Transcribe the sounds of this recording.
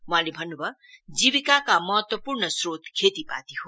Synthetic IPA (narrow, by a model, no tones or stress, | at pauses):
w̃ãlebʱʌnːubʌ | d͡zibikakamʌɦʌt̪wʌpurnʌsrot̪kʰet̪ipa̰t̪iɦo